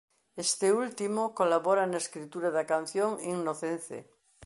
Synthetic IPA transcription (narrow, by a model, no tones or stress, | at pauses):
est̪eult̪imokolaβoɾanaeskɾit̪uɾaðakan̟θjoŋiŋnoθenθḛ